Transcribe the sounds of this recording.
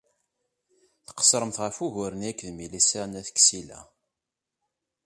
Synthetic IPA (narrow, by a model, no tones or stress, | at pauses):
θqə̥sɾˤəmθʁəfuʝʊɾənækːðmilisænæθksilæ̰